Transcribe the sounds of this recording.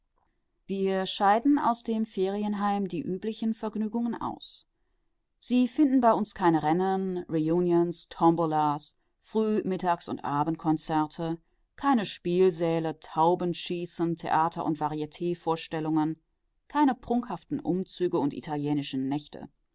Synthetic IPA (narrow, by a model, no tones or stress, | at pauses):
viːɐʃaɪtn̩a̰ʊsd̥eːmfeːʁiənɦaɪmdiːʔyːplɪçn̩fɛɐɡnyːɡʊŋənʔa̰ʊs | z̥iːfɪndn̩baɪʔʊnskʰaɪnəʁɛnənʁijuːnjənstʰɔmbolas | fʁ̥yːmɪtaːksʊ̰ntʔaːbn̩t̚kʰɔnt͡sɛɐtʰə | kʰaɪnəʃpiːlzɛːlətʰaʊbənʃiːsən̩tʰḛʔaːtʰɐʔʊ̰ntv̥aʁietʰeːfoːɐʃtɛlʊŋən | kʰaɪnəpʁ̥ʊŋkhaftn̩ʔʊmt͡syːɡəʊntʔḭtʰaljɛːnɪʃən̩nɛçtʰə̰